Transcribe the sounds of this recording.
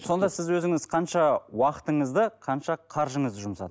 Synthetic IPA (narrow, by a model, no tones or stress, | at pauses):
so̞nd̪ɑsɪzwɵzɪŋɪzqʰɑnʃɑwɑqə̥t̪əɴəzd̪əqʰɑnʃɑqʰɑɾʒəɴəzd̪əʒʊmsɑ̰d̪ə